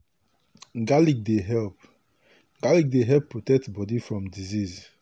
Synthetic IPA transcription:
ɡalik̚deɦɛlp̚ | ɡ̥alik̚deɦɛlpːɹotɛk̚tbɔdifɹɔ̃mdiziz

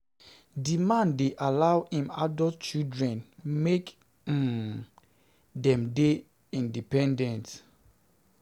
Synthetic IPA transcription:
dimãndeʔalawhĩma̰dɔtt͡ʃidɹɛ̃nmek̩ | dɛ̃mde | ĩndipɛ̃ndɛ̃nt

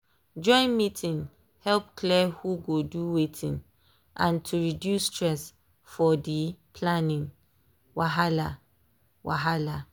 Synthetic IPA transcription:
d͡ʒɔ̃ɪ̃nmitʰĩn | hɛlpkʰlɛhuɡoduwetʰĩn | ʔãntʰuɹidjusːtɹɛs | fɔdipʰlanĩn | waɦala | wa̰ɦala

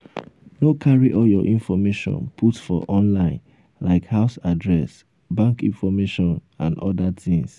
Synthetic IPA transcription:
nokʰaɹiʔɔljɔʔĩnfɔmeʃɔ̰̃npʰutfɔ̰ʔɔ̃nlãɪ̃n | laɪkhaʊsadɹɛs | bãŋkĩnfɔmeʃɔ̃n | ã̰ndɔdat̪ĩŋs

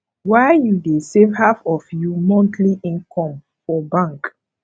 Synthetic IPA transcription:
waɪjudesevhafɔfjumɔ̃ntʰliʔĩnkʰɔ̃m | fɔbãŋk

